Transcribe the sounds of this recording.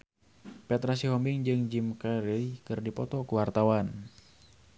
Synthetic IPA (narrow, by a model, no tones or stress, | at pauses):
pɛt̪ɾas̬iɦɔmbiŋd͡ʒɨŋd͡ʒimkaɾilikɨrdipɔt̪ɔkuwart̪awan